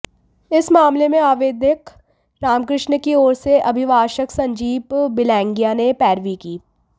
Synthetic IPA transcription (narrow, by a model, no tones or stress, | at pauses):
ɪsmaːmlemẽaːʋeːd̪jək | ɾaːmkɾɪʃɳəkioːɾseʔɐbʱɪʋaːʃəksɐ̃ɲd͡ʒiːpbɪlɛ̃ːŋɡijanepɛːɾʋikiː